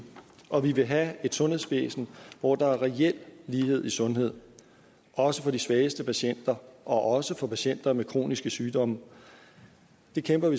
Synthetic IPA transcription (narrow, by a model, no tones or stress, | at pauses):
ʔɒ̽ʋiʋe̝ɦæe̝d̥sɔ̽nhe̝ð̰ˠsb̥ḛːsn̩ʋɒːd̥ɑ̈æɐʁɛel̰liːhe̝ð̞̰ˠisɔ̽nɦe̝ð̞̰ˠ | ʔɒ̽səfɒ̽d̥isʋɛːəsd̥əpʰæɕen̰d̥ɐʔɒ̽ʔɒ̽səfɒ̽pʰæɕen̰d̥ɐmekʰʁo̝̰ːnisɡ̥əsyːd̥ɒ̽mə | d̥e̝kʰemb̥ɐʋi